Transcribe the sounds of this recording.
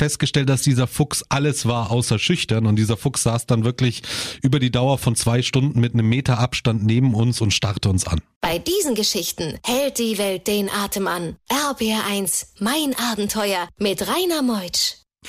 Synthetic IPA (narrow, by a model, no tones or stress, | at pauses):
fɛst̚ɡ̥əʃtɛlt̚d̥asd̥iːzɐfʊksʔaləsv̥aːɐʔaʊsɐʃʏçtɐnʊntd̥iːzɐfʊksz̥aːsd̥anvɪɐklɪçʔyːbɐɾiːdaʊɐfɔnt͡sv̥aɪʃtʊndn̩mɪtnəmːeːtɐʔapʃtantneːbm̩ʊnsʊntʃtaʁtəʊnsa̰nb̥aɪdiːzn̩ɡəʃɪçtn̩hɛlt̚d̥iːvɛlt̚d̥eːnʔaːtəmanʔɛɐbeːaːʔaɪnsmaɪnʔaːbm̩tʰɔʏɐmɪtʁaɪnɐmɔʏt͡ʃ